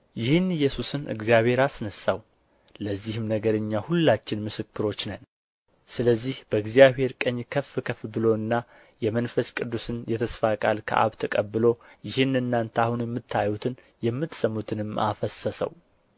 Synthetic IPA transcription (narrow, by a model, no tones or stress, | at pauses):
jɪhɨnɨjːɛsusɨnʔɨ̰ɡzijaβhe̞ɾasnəsaw | ləzːihɨmnəɡəɾɨɲːahulːat͡ʃːɪnmɨsɨkːɨɾo̞t͡ʃːnən | sɨləzːihb̥əɨɡzijaβhe̞ɾkʼəɲːkʰəfɨkʰəfbɨlo̞ɨnːa | jɛmənfəskʼɨd̪ːusɨnjɛt̪ʰəsfakʼalkʰə̰ʔa̰βt̪ʰəkʼəbːɨlo̞jɪhɨnɨnːant̪ʰahunjɛmːɨt̪ʰːajut̪ʰɨn | jɛmːɨt̪səmːut̪ʰɨnɨmːʔa̰fəsəsə̰w